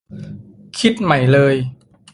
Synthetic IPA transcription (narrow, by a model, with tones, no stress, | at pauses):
kʰi˦˥t̪̚ma˩˦jlɤː˧j